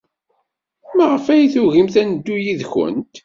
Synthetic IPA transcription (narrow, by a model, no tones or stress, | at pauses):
məʁəfæjθʊʝimθænəd̪ːujiðçə̰nt̪